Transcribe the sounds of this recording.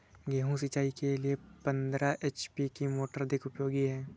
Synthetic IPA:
ɡeːɦũs̬ɪt͡ʃaːikeliepə̃nd̪ɾaʔeːt͡ʃpikimoːʈəɾd̪ɪkʊpjoːɡiɦɛː

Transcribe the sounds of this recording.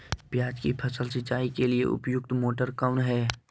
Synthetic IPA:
pjaːd͡ʒkipʰəsəlsɪt͡ʃaːikeliḛʔʊ̰pjʊɡ̚t̪moːʈəɾkaʊnɦɛː

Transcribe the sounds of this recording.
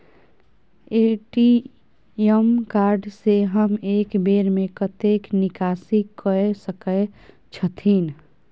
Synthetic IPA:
eʈi | emkaɾɖseɦəmekbeɾmekət̪eknɪkasikəesəkə | t͡ʃʰət̪ʰin

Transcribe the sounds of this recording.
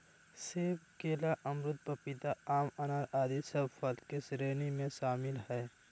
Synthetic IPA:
seːbkeːlaʔɐmɾʊt̪̚pəpɪt̪aaːmɐnaːɾaːd̪isɐbfɐlkɪsɾeːnimẽʃaːmɪlɦɛː

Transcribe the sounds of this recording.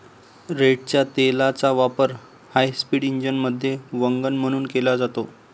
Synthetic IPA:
ɾeʈ̚t͡ɕjat̪elat͡saʋapəɾ | hajspiːɽiɲd͡ʑənməd̪ʱːjeʋəŋɡənm̤əɽ̃uːnkelad͡zat̪o

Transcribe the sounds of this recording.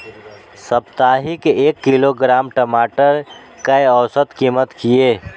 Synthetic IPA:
səpt̪aːɦikeːkːiloɡɾaːmʈəmaːʈəɾ | kəjɔʊsət̪kimət̪kieː

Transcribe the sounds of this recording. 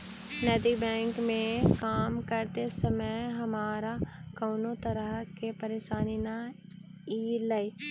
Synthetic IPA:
nɛːd̪ibɛ̃ːŋkmẽkaːmkɐɾt̪esəməjɦɐmaːɾakɐːnot̪ɐɾəɦkepɐɾeːʃaːnina | iːlɐi

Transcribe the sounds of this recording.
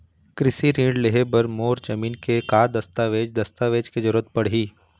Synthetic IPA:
kɾɪsiɾĩːɳɖleɦebɐɾmoːɾd͡ʒɐmiːnkekaːd̪ɐst̪aʋeːd͡ʒd̪ɐst̪aʋeːd͡ʒked͡ʒɐɾuət̪̚pɐɽ̤ɦiː

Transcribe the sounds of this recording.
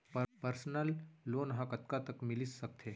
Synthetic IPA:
pəpəɾsnəlːonɦãkət̪kat̪əkmilisːək̚t̪ʰe

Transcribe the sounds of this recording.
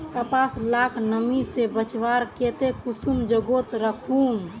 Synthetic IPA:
kəpaːslaːkʰnəmisebət͡ʃʋaɾket̪ekusumd͡ʒəɡot̪ɾəkʰum

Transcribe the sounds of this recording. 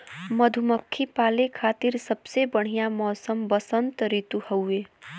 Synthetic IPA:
məd̪ʱuməkʰːipaːlekʰaːt̪iɾsəbsebəɽ̤ijamɔːsəmbəsənt̪ɾit̪uhəweː

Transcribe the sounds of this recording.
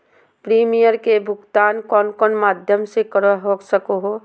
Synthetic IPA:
pɾiːmijəɾkebʱʊɡt̪aːnkɔːnkɔːnmaːd̪ʱjəmsekəɾaɦoɡsəkoɦo

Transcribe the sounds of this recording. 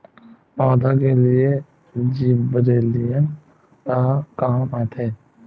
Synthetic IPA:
ɔːd̪akelɪe | d͡ʒiːbɾeːlijən | kakaːmaːt̪ʰeː

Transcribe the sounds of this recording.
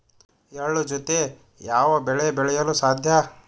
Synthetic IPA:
eɭud͡ʒot̪e | jaːʋɐbɛɭɛbɛɭɛjɐlusaːd̪ʱjɐ

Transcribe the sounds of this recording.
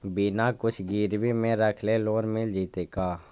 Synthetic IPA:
biːnaːkʊt͡ʃʰɡiːɾbiːmẽɾəkʰleloːnmɪld͡ʒiːt̪eːkaː

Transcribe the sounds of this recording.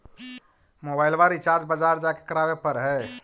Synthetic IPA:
mobajlbaɾit͡ʃaɾd͡ʒbəd͡ʒaɾd͡ʒake̥kəɾabepəɾɦɛ

